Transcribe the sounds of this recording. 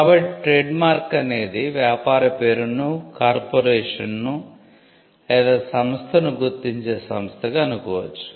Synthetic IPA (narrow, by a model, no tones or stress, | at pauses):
kaːbɐʈiʈɾeːɖmaːɾkɐne̞ːd̪iʋjaːpaːɾɐpeːɾunukaːɾpoːɾeːʂɐnːu | ɛːd̪ɐsɐmst̪ʰɐnuɡuɾt̪ːiɲt͡ʃe̞ːsɐmst̪ʰɐɡaɐnukɔːʋɐ̰t͡ʃːu̥